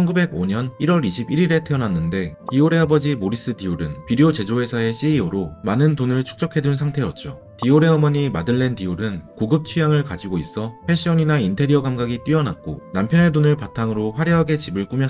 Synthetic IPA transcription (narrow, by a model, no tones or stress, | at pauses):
t͡ɕʰʌnɡube̞ɡoɲʌniɾwʌɾiɕʰibiɾiɾe̞tʰeʌnanːɯnde̞tioɾe̞abʌd͡ʑimoɾis͈ɯtioɾɯnpiɾiot͡ɕe̞d͡ʑoɦe̞sʰae̞ɕ͈ʰiioɾomanɯntonɯɭt͡ɕʰu̥k̚t͡ɕ͈ʌkʰe̞dunsʰaŋtʰe̞jʌt̚t͡ɕ͈o | tioɾe̞ʌmʌɲimadɯɭːe̞ntioɾɯnkoɡɯp̚t͡ɕʰijaŋɯɭkad͡ʑiɡois͈ʌpʰe̞ɕ͈iʌɲinaintʰe̞ɾiʌɡamɡaɡit͈ɥiʌnak̚k͈onampʰjʌnedonɯɭpatʰaŋɯɾoɸwaɾjʌɦaɡe̞t͡ɕibɯɭk͈umjʌ